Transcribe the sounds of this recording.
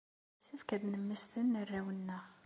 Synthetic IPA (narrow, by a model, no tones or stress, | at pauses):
səfkæd̪nəmːəst̪ənːərːæwənːəʁ